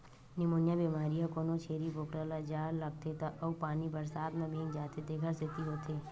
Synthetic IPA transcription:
nɪmoːnjabiːmaːɾijãkoːnõt͡ʃʰeːɾiboːkɽaːlad͡ʒaːllɐɡ̚t̪ʰet̪aʔɐupaːnibɐɾsaːt̪mẽbʱẽːŋɡd͡ʒaːt̪ed̪eːɡʱəɾset̪iɦoːt̪ʰeː

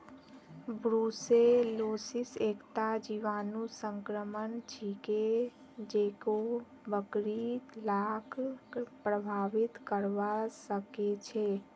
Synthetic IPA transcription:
bɾuːseloːsɪseːkt̪ad͡ʒiʋaːnusə̃ŋkɾəmənt͡ʃʰike | d͡ʒeːko | bəkɾilaːkpɾəbʱaːʋɪt̪kəɾʋasəket͡ʃʰe

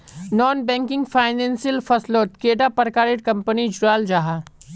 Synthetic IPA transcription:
nɔːnbɛ̃ːŋkɪ̃ŋɡfʰaːɪnẽːnsiəlfɐsloːt̪keːɖapəɾkaːɾɪʈkɐ̃mpənid͡ʒʊɾaːld͡ʒaːɦaː

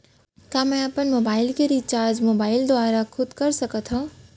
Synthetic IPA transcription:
kjaːmɛ̃ɐpənmoːbaːɪlkeɾiːt͡ʃaːɾd͡ʒmoːbaːɪld̪ʊaːɾakʰʊd̪kɐɾsɐkət̪ɦãː

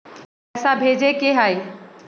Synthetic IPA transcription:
ɛsabʱeːd͡ʑekeɦai

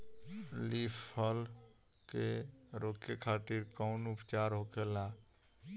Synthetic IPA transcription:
lipʰəl | keɾokːekʰat̪iɾkaʊnupt͡ʃaɾɦokʰela

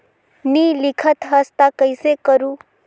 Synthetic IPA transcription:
nilikʰət̪ɦəst̪akəjsekəɾu

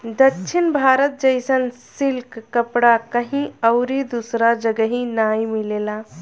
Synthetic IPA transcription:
d̪ətːʃʰɪnbʱaːɾət̪̚d͡ʒəɪsənsilkːəpɽakəɦĩəʊɾid̪usɾad͡ʒəɡəɦĩnaːjmileːla

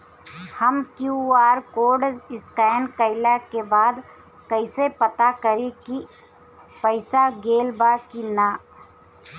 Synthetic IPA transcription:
həmkjuaːɾkoːɖɪskɛːɪnkəɪlakebaːd̪ | kəɪsepət̪akəɾeki | pəɪsaɡeːlbaːkinaː

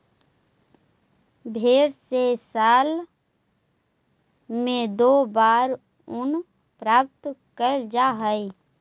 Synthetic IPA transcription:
bʱeːɾsesaːl | mẽd̪oːbaːɾ | ʊn | pɾaːp̚t̪kəd͡ʒaːɦəi

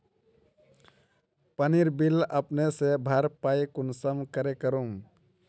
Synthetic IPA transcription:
pəniɾbiləpnesebʱaɾpaikunsəmkəɾekəɾum

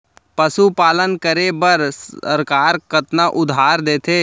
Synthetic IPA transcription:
pəsupaːlənkəɾebəɾsə̰ɾkaːɾkət̪naʔʊd̪ʱaːɾd̪eːt̪ʰeː

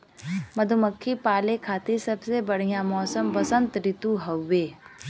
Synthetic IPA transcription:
mɐd̪ʱuməkʰːipaːlekʰaːt̪esɐbsebɐɽ̤ijãmɔːsəmbɐsə̃nt̪ɾɪt̪uɦɐwːeː

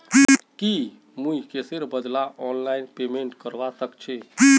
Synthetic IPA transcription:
ki | mujkeseɾbəd̪laʔɔnlainpemeɳʈkəɾbat̪əkt͡ʃʰɛ

